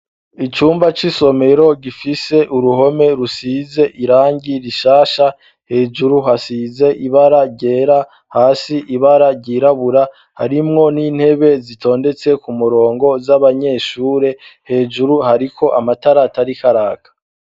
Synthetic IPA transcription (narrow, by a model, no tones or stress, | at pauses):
it͡ʃuːmbat͡ʃiso̞me̞ɾo̞ɡifise̞ʔuɾuɦo̞me̞ɾusize̞ʔiɾaːɲɟiɾiʃaːʃa | he̞ːd͡ʒuɾuɦasize̞ʔiβaɾaɾɟe̞ːɾa | haːsiʔiβaɾaɾɟiɾaβuɾa | haɾimŋo̞niːn̥he̞βe̞zitʰo̞ːnde̞t͡se̞kumuɾo̞ːŋɡo̞zaβaɲe̞ːʃuːɾe̞he̞ːd͡ʒuɾuhaɾikʰo̞ʔamataɾataɾikaɾaːkʰḁ